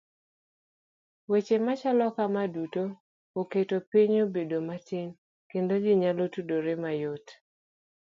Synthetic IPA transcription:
wet͡ʃemat͡ʃalɔkamaduto | oketopiɲobedomatiŋ | kendod͡ʒiɲalotudoɾemajot

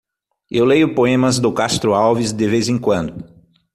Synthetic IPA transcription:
ewlejʊpoẽmɐzd̪ʊkast̪ɾʊawvizd̪ɪvezẽŋkwɐ̃nd̪ʊ

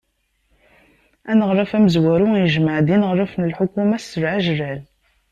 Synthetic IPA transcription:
ænəʁɾˤɑfæməzwæɾujəʒməʕd̪inəʁɾˤɑfnəlħʊkumæsːəɾʕaʒəræl

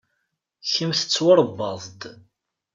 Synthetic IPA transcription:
çəmθə̥t͡sːwəɾˤbːɑðˤd̪

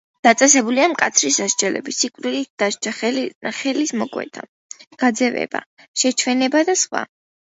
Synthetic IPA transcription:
d̪̥at̪sʼɛsɛbuliamkʼat̪sʰɾisaʃd͡ʒɛlɛ̰bisikʼvɾilit̪̚d̪̥aʃt͡ʃʰaχɛlismɔkʼwɛ̰t̪ʰa̰ | ɡ̥ad̪zɛvɛ̰b̥a̰ | ʃɛt͡ʃʰwɛnɛbad̪asχwa̰

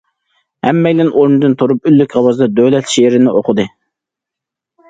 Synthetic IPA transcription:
hɛmːɛjʲlɪnʔoɾmɨd̪ɨnt̪ʰoɾup̚ylːykʲʁɑwɑzd̪ɑd̪ølɛt̪ʃeɾɪnɪʔoqʰʊd̪ɨ

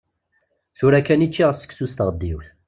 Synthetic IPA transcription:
θuɾækːænit͡ʃːiʁəsə̥ksust̪ʁəd̪ːiwθ

